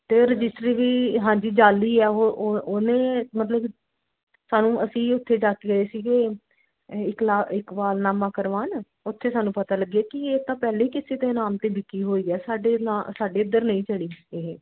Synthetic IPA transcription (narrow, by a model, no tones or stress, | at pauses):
t̪eːɾəd͡ʒɪsʈɾiːʋiːɦãːd͡ʒiːd͡ʒaːliːɛːoʔoːnẽːmət̪̬ləb | saːnũːʔəsĩːʊt̪ʰːeːd͡ʒaːkiːɡəeːsiːkeː | ɪklaːɪkbaːlnaːmãːkəɾʋaːn | ʊt̪ʰːeːsaːnũːpət̪aːləɡeːkɪeːt̪ãːpɛːleːiːkɪseːd̪eːnaːmt̪eːbɪkːiːɦoːiːɛːsaːɖeːaːsaːɖeːɪd̪əɾnəĩːt͡ʃəɽiːeɦ